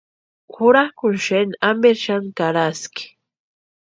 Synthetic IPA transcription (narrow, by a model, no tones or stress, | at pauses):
xʊɾakʊnʃenambeɾʃankaɾaskɪ̥